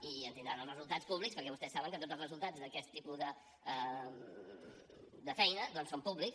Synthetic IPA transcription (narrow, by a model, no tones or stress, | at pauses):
iənt̪ind̪ɾanəlˠzrəzulˠt̪at͡sspuβlikspəɾkɛβust̪ɛsaβəŋkət̪od͡zzəlˠzrəzulˠt̪ad͡zðəkɛst̪ːipuðə | ə | d̪əfɛjnəd̪ɔnsompuβliks